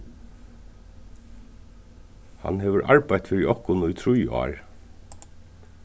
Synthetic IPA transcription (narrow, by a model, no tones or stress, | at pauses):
hɑ̰nheːʋəɹʔɑ̰ɹbæɪt̪fʏɹiːʔɔhkʊnʊiːt̪ʰɾʊj̰ɑ̰ːɹ